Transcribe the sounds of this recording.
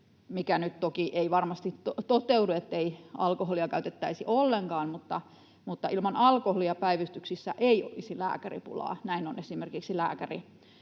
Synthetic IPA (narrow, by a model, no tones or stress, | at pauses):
mikænyt̪t̪okiʔeiʋɑrmɑst̪itot̪ot̪euduet̪ːeiɑ̰lkoholiɑkæyt̪et̪ːæisiʔolːeŋkɑːnmut̪ːɑ | mut̪ːɑʔilmɑnɑlkoholiɑpæiʋist̪yksisːæʔeio̰lisilæ̰ːkærḭpṵlɑ̰ːnæinonesimerkiksilæ̰ːkærḭ